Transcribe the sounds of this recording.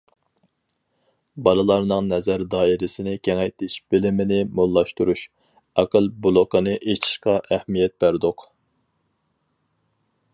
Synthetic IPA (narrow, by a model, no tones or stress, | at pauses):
bɑlˠɨlˠɑɾnɨŋnɛzæɾd̪ɑːiɾɪsɪnɪkʲʰeŋɛjt̪ʰɪʃb̥ɪlɪmɪnɪmolˠːɑʃt̪uɾuʃ | ɑqəlˠbulˠʊqənɨʔet͡ʃʰi̥ʃqɑʔæhmijɛt̪̚b̥æɾd̪oq